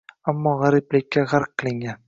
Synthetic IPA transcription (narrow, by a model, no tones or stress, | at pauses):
amːɒʁaɾɪplɪkʲːaʁaɾqʰːɨ̆lˠɪŋɡʲan